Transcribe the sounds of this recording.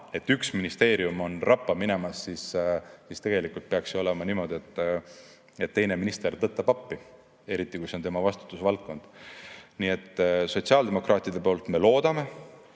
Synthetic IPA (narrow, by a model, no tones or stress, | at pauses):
e̞t̪ːyksminist̪e̞ːɾiumo̞nrɑpːɑmine̞mɑsːissist̪e̞ɡe̞likult̪̚peɑksio̞le̞mɑniːmo̞d̪̥ie̞t̪ːˑ | e̞t̪ːe̞jne̞minist̪ert̪ɤt̪ːˑɑb̥ɑpːi | e̞ɾit̪ːˑikuseo̞nt̪e̞mɑvɑst̪u̥t̪ːˑusvɑlt̪̚ko̞nd̪̥niːe̞t̪ːso̞tsiɑld̪e̞mo̞krʔɑːt̪ːˑid̪e̞po̞ːlt̪me̞lo̞ːd̪̥ɑme̞